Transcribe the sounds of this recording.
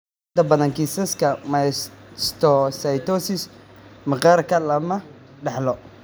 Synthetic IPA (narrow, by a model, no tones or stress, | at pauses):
t̪ɐbɐðɐŋkʰisɐskʰɐmɐjsst̪ʰɔsɐjt̪ɔsɪsmɐqɑɾkʰɐlɐmɐɖɑħlɔ